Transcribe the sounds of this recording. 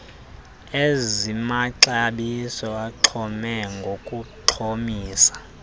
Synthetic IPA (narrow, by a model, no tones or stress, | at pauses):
ezimaǁaɓisɔaǁʰɔmɛŋɡʱokʼuǃʰomiːsḁ